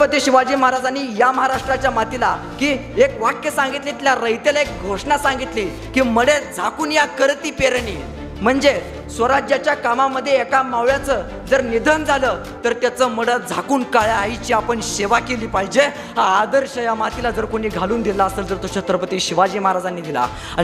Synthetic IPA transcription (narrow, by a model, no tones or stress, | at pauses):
pət̪iːɕiʋad͡ʑiːməɦaɾad͡zaniːjaməɦaɾaʂʈɾat͡ɕjamat̪ila | kiː | ekʋakjəsãŋɡit̪liːt̪iljaɾəjt̪elaek̚ɡʱoʂɳasãŋɡit̪liː | kiːməɽed͡zʱakuːnjakəɾt̪iːpeɾɳḭː | m̤əɳd͡ze | sʋəɾad͡ʑjat͡ɕjakamaməd̪ʱːjeekamaʋjat͡sə | d͡zəɾnid̪ʱənd͡zʱaləː | t̪əɾt̪jat͡səməɽəd͡zʱakuːnkaɭaːjt͡ɕiːapəɳɕeʋakeliːpaɦid͡ʑe | aːd̪əɾɕəjamat̪ilad͡zəɾkoɽiːɡʱaluːnd̪ilaəseld͡zəɾt̪oɕət̪ɾəpət̪iːɕiʋad͡ʑiːməɦaɾad͡zanːiːd̪ila̰ | a